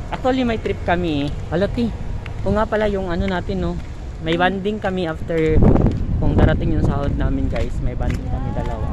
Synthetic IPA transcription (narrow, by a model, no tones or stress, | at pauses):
ʔɐk̚t̪ualimɐjt̪ɾɪp̚kɐmiɛɐlot̪i | ʔoŋːapɐlajʊŋʔɐnonaːt̪ɪnːo̞ | mɐjband̪ɪŋkɐmiʔaft̪ɛɹ | kʊŋd̪aːɾɐt̪ɪŋjʊŋsahod̪̚naːmɪnɡajsmɐjband̪ɪŋkɐmid̪ɐlɐwa